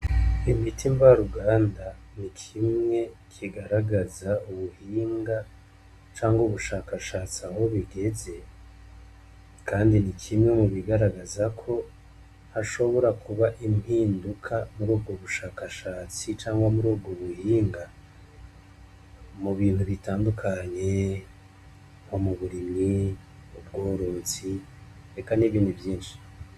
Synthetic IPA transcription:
imitʰiɱvaɾuɡaːnda | nikʰimŋe̞kʰiɡaɾaɡazauβuhiːŋɡa | t͡ʃaːŋɡuβuʃaːkaʃaːt͡siaɦo̞βiɡe̞ze̞ | kʰaːndinikʰimŋe̞muβiɡaɾaɡazakʰo̞ | haʃo̞βo̞ɾakʰuβaʔimhiːndukʰamuɾuːbɡoβuʃaːkaʃaːt͡sit͡ʃaːŋɡwamuɾuːb̚ɡoβuhiːŋɡa | muβiːnhuβitaːndukʰaɲe̞ | omuβuɾimi | ub̚ɡoːɾoːt͡si | ɾe̞kaniβiːnduvjiːnʃi̥

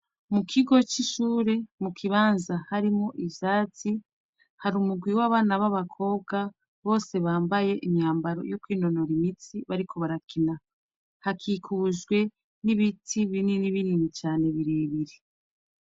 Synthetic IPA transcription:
mukʰiɡo̞t͡ʃiʃuːɾe̞mukʰiβaːnzahaɾimŋo̞ʔivjaːt͡si | haɾumuɡwiwaβaːnaβaβakʰo̞ːb̚ɡa | βo̞ːse̞βaːmbaje̞ʔimɲaːmbaɾo̞̰jo̞kwiːnono̞ɾimit͡siβaɾikʰo̞βaɾakina | hakʰikʰuʒɡwe̞ | niβitʰiβininiβininit͡ʃaːne̞βiɾeːβiɾe

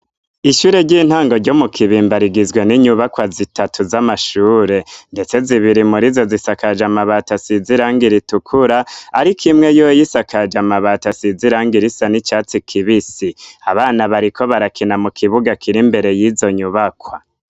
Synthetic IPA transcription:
iʃuːɾe̞ɾɟiːn̥haːŋɡo̞ɾɟo̞mukʰiβiːmbaɾiɡizɡwe̞niɲuβakwazitatʰuzamaʃuːɾe̞nde̞t͡se̞ziβiɾimuɾizo̞zisakad͡ʒamaβatasiziɾaːŋɡiɾitukʰuɾaaɾikʰimŋe̞jojisakʰad͡ʒamaβatasiziɾaːŋɡiɾisanit͡ʃaːt͡sikʰiβisiaβaːnaβaɾikʰo̞βaɾakʰinamukʰiβuɡakʰiɾimbe̞ɾe̞jizo̞ɲuβakwa

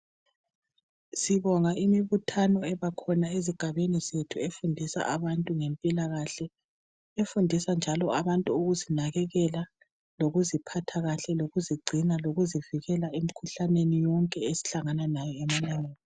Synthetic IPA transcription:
siβɔŋaʔimiβutʰanɔɛβakʰɔnaeziɡ̥ʱaβenizetʰuefundʱisa̰ʔaβantʼuŋɛmpʼilaɣaɬɛ | efundʱisand͡ʒʱalɔaβantʼuoɣuzinaɣɛɣɛla | loɣuzipʰatʰaɣaɬɛloɣuziɡ͡ǀʱinaloɣuziviɣɛlaem̩kʰuɬanenijɔŋkʼɛesi̥ɬaŋananajɔeminɛŋeːni

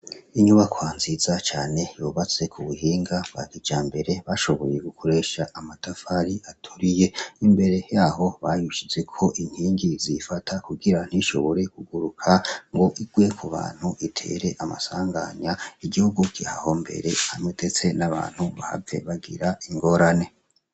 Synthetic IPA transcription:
iɲuβakwaːnzizat͡ʃaːne̞joːβat͡se̞kʰuβuɦiːŋɡaβa̰ɡid͡ʒaːmbe̞ɾe̞βaʃo̞βo̞̰je̞ɡukʰo̞ɾe̞ʃaʔamatʰafaɾiatʰuɾijeimbe̞ɾe̞jaːɦo̞βajuʃize̞kʰo̞ʔin̥hiːŋɡizifatʰakuɡiɾan̥iʃo̞̰βo̞ɾe̞kuɡuɾukʰaŋɡo̞ʔiɡ̥we̞kʰuβa̰ːn̥huʔitʰe̞̰ːɾe̞ʔama̰saːŋɡa̰ɲaiɡihuɡukiha̰ho̞mbe̞̰ɾe̞hamŋedet͡se̞naβa̰ːn̥huβa̰ha̰ve̞̰βaɡḭɾaiŋɡo̞ɾane̞

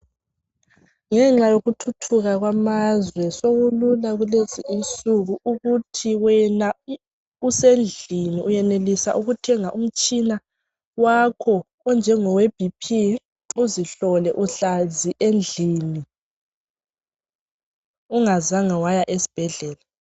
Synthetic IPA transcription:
ŋɛŋ͡ǁajoɣutʰutʰuɣaɣwamazwɛsoɣululaɣuleziʔisuɣuuɣutʰiwɛna | usend͡ɮʱiniujɛnelisaʔuɣutʰɛŋaʔum̩t͡ʃʼina | wakʰɔ | ɔnd͡ʒʱɛŋɔweb̥ʱipʰi | uziɬɔlɛʔuɬaziʔend͡ɮʱiːni | uŋazaŋawajaʔesi̥b̥ʱɛɮɛːla

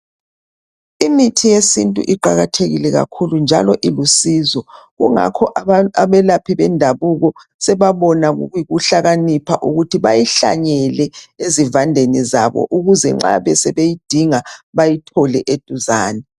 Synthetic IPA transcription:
imitʰijesintʼṵʔiǃaɣatʰeɣilɛɣa̰kʰulund͡ʒʱa̰lɔʔilusizɔɣuŋa̰kʰɔʔaβɛlapʰiβɛndʱaβuɣɔ | sɛβaβɔnaɣṵɣujiɣuɬaɣanipʰaʔuɣutʰiβajiɬa̰ɲɛlɛezivandʱenizaβɔ̰ʔuɣuzɛ̰ŋ͡ǁa̰βɛsɛβejid̥ʱiŋaβajitʰɔlɛʔed̥ʱuzaːnɛ

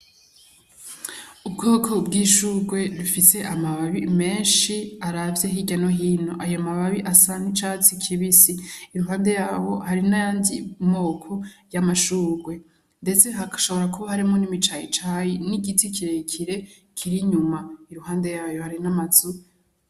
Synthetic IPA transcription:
ubɡoːkʰo̞bɡiːʃuːɡwe̞ɾufise̞ʔamaβaβime̞ːnʃiaɾavjeɦiɟano̞ɦiːno̞ʔajomaβaβiʔasanit͡ʃaːt͡sikʰiβisiːɾuɦaːndejaːwo̞haɾinajaːndimo̞ːkʰojamaʃuːɡwe̞ | nde̞t͡se̞ɦaʃo̞βo̞ɾakuβahaɾimŋo̞nimit͡ʃajḭt͡ʃajiniɡitʰikʰiɾekʰiɾe̞ | kʰiɾiɲumaiɾuhaːnde̞jaːjo̞haɾinamazu

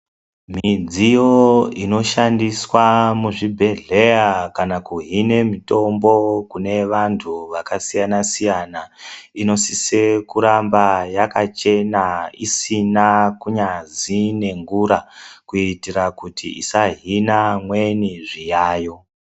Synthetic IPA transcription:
mid͡zijoino̞ʃandiswamuʐibʱe̞ɮe̞jakanakuɦine̞mito̞mbo̞kune̞ʋantʰuʋakasijanasijanaino̞sise̞kuɾambajakat͡ʃe̞naisinakuɲazine̞ŋɡuɾakuitiɾakutʰḭʔḭsaɦinamweniʐijaːjo̞

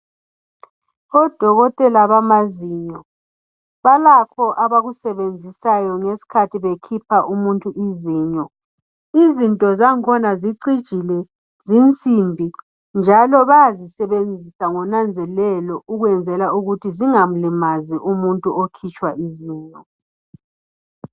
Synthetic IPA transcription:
ɔd̥ʱɔɣɔtʼɛlaβamaziɲɔ | βalakʰɔʔaβaɣusɛβend͡zʱisajɔŋesi̥kʰatʰiβekʰipʰaʔumuntʼuʔiziːɲɔ | izintʼɔzaŋkʰɔnaziǀid̥ʒ̥ʱilɛ | zint͡sʼimbʱi | nd͡ʒʱalɔβajazisɛβend͡zʱisaŋɔnand͡zʱɛlɛlɔʔuɣwɛnd͡zʱɛlauɣutʰiziŋam̩limaziʔumuntʼuokʰit͡ʃʼwaʔiziːɲɔ

